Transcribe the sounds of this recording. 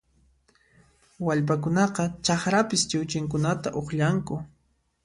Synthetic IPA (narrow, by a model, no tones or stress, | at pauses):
waʎpakʊnɑqɑt͡ʃɑχɾapɪst͡ʃɪwt͡ʃɪŋkʊnat̪aʔoχʎaŋkʊ